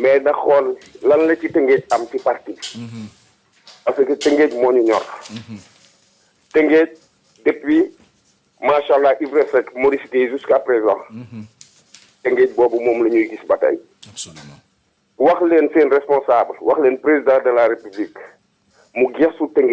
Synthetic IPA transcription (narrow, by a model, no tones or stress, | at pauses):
mɛnɐxɔllɐnlɐcitɛŋɡeːc̚ɐmtiparti | ɐsɐktɛŋɡeːcmɔːɲuɲɔr | tɛŋɡec̚ | dɛpːi | maːʃalːaʔivɾɛsɛkmɔɾisikejzuskapɾezã̰ | tɛŋɡeːc̚bɔːbumɔːmlɐɲujɡisbɐtɐ̰j | wɐxlɛːnseːnrɛspɔ̃nsaːblwɐxlɛːnpɾezidɑ̃ːdɛlaɾepublik | muɡɛsutɛŋɡ